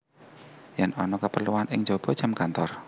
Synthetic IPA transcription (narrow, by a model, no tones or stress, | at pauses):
jɛnɔnɔkəpərluwanɪŋd͡ʒob̥ɔ̤̥ʒ̥amkant̪ɔr